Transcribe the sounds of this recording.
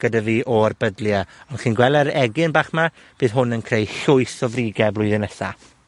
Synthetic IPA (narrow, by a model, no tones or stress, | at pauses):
ɡ̥ədaviːʔɔrbədljaɔnχiːnɡwɛlˠɛɾɛɡɪnbaːχma | b̥ɨːðɦʊnənkʰrejɬʊɨsɔvriɡɛblʊɨðɪnɛsa